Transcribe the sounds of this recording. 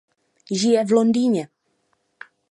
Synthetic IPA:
ʒɪjɛvlondiːɲɛ

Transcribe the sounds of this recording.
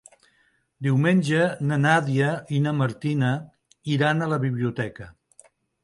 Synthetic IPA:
d̪iwmenʲʒənənaðiəinəməɾt̪inə | iɾanələβiβliut̪ɛkə

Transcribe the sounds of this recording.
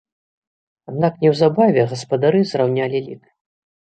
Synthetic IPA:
ad̪naknʲɛwzabavʲɛɣɐspɐd̪aɾɨzrawnʲalʲilʲik

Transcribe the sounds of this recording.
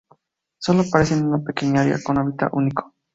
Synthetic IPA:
solopaɾesenunapekeɲaɾḭa̰konaβit̪a̰ʔuniko̥

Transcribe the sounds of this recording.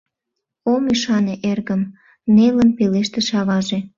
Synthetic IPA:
omyʃɑneʔerɣəm | nelənpeleʃt̪eʃɑβɑʒe

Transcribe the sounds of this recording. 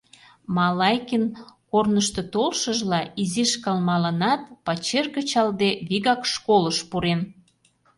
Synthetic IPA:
mɑlɑjkinkornəʃt̪ot̪olʃəʒlɑiziʃkɑlmɑlɑnɑt̪pɑt͡ɕerɣət͡ɕɑld̪eβiɣɑkʃkoləʃpuɾen

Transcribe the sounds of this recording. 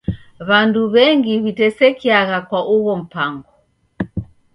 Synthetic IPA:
βanduβɛŋɡiβitɛsɛkiaɣakwaʔuɣɔm̩paŋɡɔ

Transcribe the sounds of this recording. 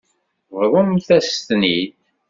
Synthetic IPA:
vɾˤʊmθæst̪niθ

